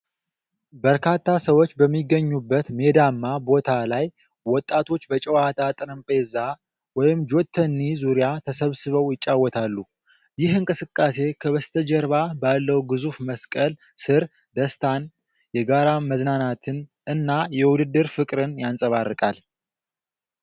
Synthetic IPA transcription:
bəɾkʰat̪ʰːasəwo̞t͡ʃːbəmːiɡːəɲːubːət̪me̞d̪amːabo̞t̪ʰalaj | wɔt̪ʼːat̪ʰo̞t͡ʃːbət͡ʃʼɛwat̪ʰat̪ʼɨɾɨmpʼe̞za | wɔjɪmd͡ʒo̞t̪ʰːənːizuɾjat̪ʰəsəβsɨβəwjɪt͡ʃʼːawːɔt̪ʰalːu | jɪhɨŋkʼɨsɨkʼːase̞kʰəβəst̪ʰəd͡ʒɛɾβabalːəwɡɨzufməskʼəl | sɨɾ | d̪əst̪ʰan | jɛɡaɾaməznanat̪ʰɨn | ɨnːajɛwʊd̪ɨd̪ːɨɾfɨkʼɾɨnjansʼəβarːɨkʼal

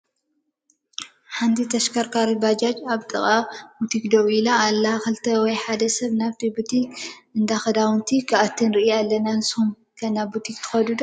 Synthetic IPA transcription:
ħant̪ʰit̪ʰɐʃkʰɐɾkʰaɾɨbad͡ʒad͡ʒaβt̪ʼɨχʼabut̪ʰikd̪ɐʔuilaːlːɐaxɨlt̪ʰɐwɔjħad̪ɐsɐβnaβt̪ʰibut̪ʰikɨnd̪axɐd̪awɨnt̪ʰikʰɨat̪ʰːɨnɾɨʔijalːɐnanshum | kʰɐnabut̪ʰikt̪ʰɨ̥xɐd̪ud̪o

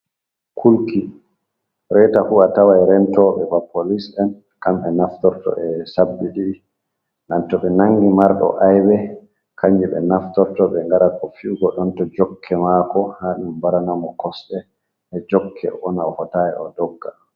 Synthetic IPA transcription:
kʰulki | ɾɛtafuatawaɛɾɛntɔɓɛbapʰolisɗɛn | kamɛnaftɔɾtɔ̰ʔɛsabːiɗi | nantɔɓɛnaŋɡimaɾɗɔ̰ʔajwɛ | kʰaɲd͡ʒiɓɛ̰naftɔɾtɔɓɛŋɡaɾakɔfiɡɔɗɔntɔd͡ʒɔkʰːɛmakɔhaɗumbaɾanamɔkɔsɗɛ | ɛd͡ʒɔkʰːɛ̰ɔnahɔtajɛ̰ɔdɔɡːa

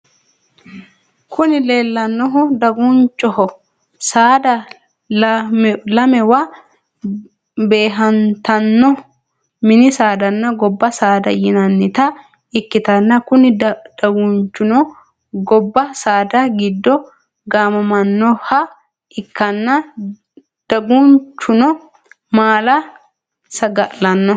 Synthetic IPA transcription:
kʰʊnɪleːlːɐnːɔɦʊd̪ɐɡunt͡ʃːɔhɔ | saːd̪ɐ | lɐmɛwɐ | be̞ːɦɐnt̪ɐnːɔ | mɪnɪsaːd̪ɐnːɐɡɔbːɐsaːd̪ɐjɪnɐnːɪt̪ɐ | ɪkːɪt̪ɐnːɐkʊnɪd̪̥ɐɡʊnt͡ʃːʊnɔ | ɡɔbːɐsaːd̪ɐɡɪd̪ːɔ | ɡaːmɐmɐnːɔhɐ | ʔɪkːɐnːɐ | d̪̥ɐɡunt͡ʃːʊnɔ | maːlɐ | sɐɡɐʔlɐnːɔ

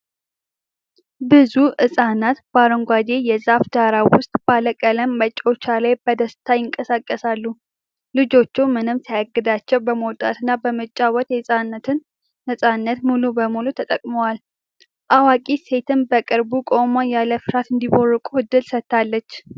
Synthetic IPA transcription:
bɨzuʔɨsʼanat̪baɾəŋɡʷad̪e̞jɛzafd̪aɾawʊst̪ʼb̥aləkʼələmːət͡ʃʼːo̞t͡ʃːalajbəd̪əst̪ʰajɪŋkʼəsakʼːəsalːu | lɨd͡ʒo̞t͡ʃːuwmɨnɨmsajaɡːɨd̪at͡ʃːɛwbəməwt̪ʼa̰t̪ɨnːabəmət͡ʃʼːawɔt̪jɛɨsʼanːət̪ɨnː | əsʼanːət̪mulubəmulut̪ʰət̪ʼəkʼməwal | ʔawakʼise̞t̪ɨnbəkʼɨɾbukʼomajaləfɨɾat̪ɨnd̪iβorːɨkʼuɨd̪ːɨlsət̪ʰːalːət͡ʃː

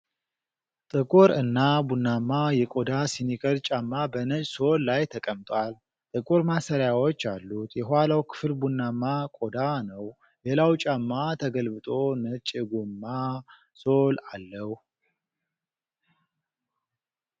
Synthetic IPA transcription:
t̪ʼɨkʼuɾɨnːabunːamːajɛkʼod̪asinikʰəɾt͡ʃʼamːabənət͡ʃʼso̞lːajt̪ʰəkʼəmt̪ʼwal | t̪ʼɨkʼuɾmasəɾjawot͡ʃːalːut̪jɛɦalawkʰɨ̥fɨlbunːamːakʼod̪anəw | lelawt͡ʃʼamːat̪ʰəɡəlbɨt̪ʼo̞nət͡ʃʼɡumːa | so̞lalːəh

